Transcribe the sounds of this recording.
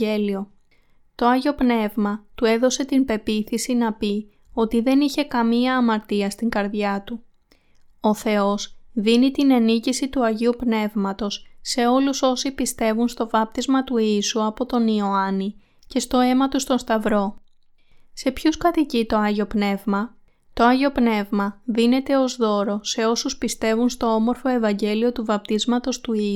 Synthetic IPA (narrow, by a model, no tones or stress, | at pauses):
elio̞ | t̪o̞ɐʝo̞pne̞vmɐt̪ue̞ðo̞se̞t̪inpe̞piθisinɐpi | o̞t̪iðe̞niçe̞kɐmiɐːmɐɾt̪iɐst̪iŋɡɐɾðʝɐt̪u | oθe̞o̞sðinit̪ine̞nicisit̪uɐʝiupne̞vmɐt̪o̞sːe̞o̞luso̞sipist̪e̞vunst̪o̞vɐp̚t̪izmɐt̪uisuɐpo̞t̪o̞nio̞ɐni | ce̞st̪o̞e̞mɐt̪ust̪o̞nst̪ɐvɾo̞ | se̞pçuskɐt̪icit̪o̞ɐʝo̞pne̞vmɐ | t̪o̞ɐʝo̞pne̞vmɐðine̞t̪e̞o̞zðo̞ɾo̞se̞o̞suspist̪e̞vunst̪o̞o̞mo̞ɾfo̞e̞vɐɲɟe̞lio̞t̪uvɐp̚t̪izmɐt̪o̞st̪ui